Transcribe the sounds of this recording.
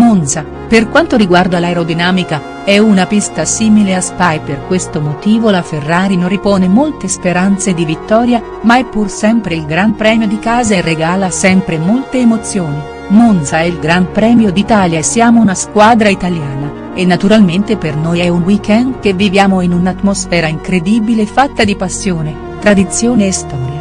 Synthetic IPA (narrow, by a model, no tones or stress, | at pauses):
monsa | perkwant̪oɾiɡward̪oalaeɾod̪inaːmika | ɛunapist̪asiːmileaspajperkwest̪omot̪iːvolaferːaːɾinorːipɔːnemolt̪espeɾant̪sed̪ivit̪ːɔːɾja | maɛpːursɛmpɾeilɡɾampɾɛːmjod̪ikaːzaerːeɡaːlasɛmpɾemolt̪eːmot̪sːjoːni | monsaɛilɡɾampɾɛːmjod̪it̪aːljasːjaːmounaskwaːd̪ɾait̪aljaːna | enːat̪uɾalment̪epernoːjɛunwikɛnd̪kevːivjaːmoinunat̪ːmosfɛːɾaiŋkɾed̪iːbilefat̪ːad̪ipasːjoːne | t̪ɾad̪it̪sjoːneːst̪ɔːɾja